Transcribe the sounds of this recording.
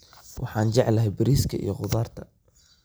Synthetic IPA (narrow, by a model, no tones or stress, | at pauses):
wʔɑħɑːnd͡ʒɛʕlɐɦɛjbɪɾiːskʰɐʔḭjɔqʊðaːrt̪ʰɐ̥